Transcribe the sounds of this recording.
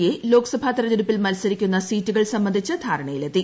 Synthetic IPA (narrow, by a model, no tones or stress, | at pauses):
jelo̞ːksɐbʱaːt̪ɐɾɐd͡ʑiɾupːilmɐlsɐɾikʲːunːɐsiːtːuɣɐɭsɐmːbɐnd̪ʱit͡ɕːɐd̪ʱaːɾɐɳɐjilet̪ːi